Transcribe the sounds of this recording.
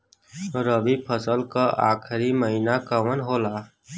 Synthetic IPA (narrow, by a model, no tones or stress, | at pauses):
ɾəʋipʰəsəlkaʔa̰ːkʰɾiməɦinakəʋənɦoːlaː